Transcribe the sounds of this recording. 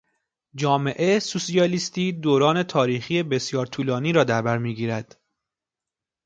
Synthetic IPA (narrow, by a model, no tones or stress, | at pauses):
d͡ʒɒːme̞ʔesusijɒːlist̪iːd̪oːɾɒːne̞t̪ʰɒːɾiːxiːjebe̞sjɒːɾt̪ʰuːlɒːniːɾɒːd̪æɾbæɾmiːɡiːɾæd̪̥